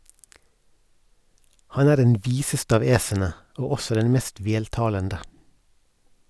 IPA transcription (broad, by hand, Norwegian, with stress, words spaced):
ˈhɑn ˈæːɾ ˈdɛn ˈʋiːsəst ˈɑːʋ ˈeːsənə ˈoː ˈɔsɔ ˈdɛn ˈmeːst ˈʋeːltɑːləndə